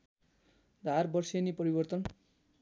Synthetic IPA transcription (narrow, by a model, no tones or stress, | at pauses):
d̪ʱarbʌrsenipʌɾibʌrt̪ʌn